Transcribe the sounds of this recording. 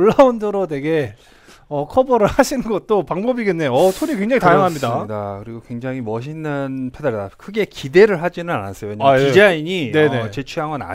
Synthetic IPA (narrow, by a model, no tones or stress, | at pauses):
oɭːaundɯɾonwe̞ɡe̞ | ʌkʰʌbʌɾɯɭhaɕʰinɯnɡʌt̚t͈opaŋbʌbiɡe̞nːeʌtʰoɲikweŋd͡ʑaŋitajaŋɦamɲidadakɯɾiɡokwe̞ŋd͡ʑaŋɦimʌɕ̬ʰinːɯnpʰedaɾidakʰɯɡe̞kide̞ɾɯɭɦad͡ʑinɯna̰na̰s͈ʌjoweɲaid͡ʑaiɲinenet͡ɕe̞t͡ɕʰujaŋʌna̰